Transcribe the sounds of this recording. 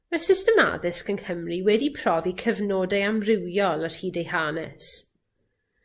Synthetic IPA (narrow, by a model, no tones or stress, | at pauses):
mɛsɪstɛma̰ðɪskənkʰəmriwɛdipʰr̥ɔvikʰəvnoːdɛamrɪwjɔlˠar̥hiːdejhaːnɛs